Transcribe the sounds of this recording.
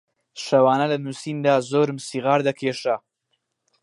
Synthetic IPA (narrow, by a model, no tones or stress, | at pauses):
ʂawɑːnalanusind̪aːzoːɾmsiɣɑːɾd̪akʰeːʂa